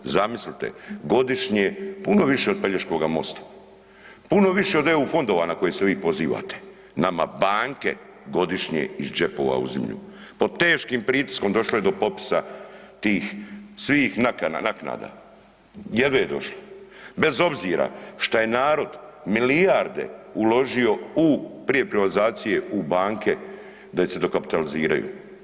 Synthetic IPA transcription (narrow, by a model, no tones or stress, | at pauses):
zamislit̪e̞̰ɡo̞d̪iʃɲepuno̞ʋiʃeo̞d̪̚peʎeʃko̞ɡamo̞̰st̪ḁ | puno̞ʋiʃeo̞d̪e̞ufo̞nd̪oʋanako̞jeseʋiːpo̞ziːʋa̰ːt̪e̥ | nama̰baːŋke̞̰ | ɡo̞d̪iʃɲḛizd͡ʒe̞po̞̰ːʋa̰ṵzemʎṵpo̞t̪e̞ːʃkiːmpɾiːt̪i̥sko̞md̪o̞ʃlojed̪o̞po̞pi̥sat̪iːxsʋiːxnakanakna̰ːd̪a̰ | jed̪ʋeje̞d̪o̞ʃlobe̞zo̞bziːɾa̰ʃt̪aje̞naːɾo̞d̪milijaɾd̪e̞̰ulo̞ʒio̞upɾije̞pɾiʋalizaːt̪sije̞ubaːŋke̞ | d̪aise̞d̪o̞kapi̥t̪aliziːɾa̰jṵ